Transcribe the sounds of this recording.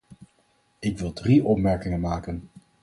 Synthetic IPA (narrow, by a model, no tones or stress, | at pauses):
ɪkʋɪlˠdriʔɔpmɛɹkɪŋənmaːkən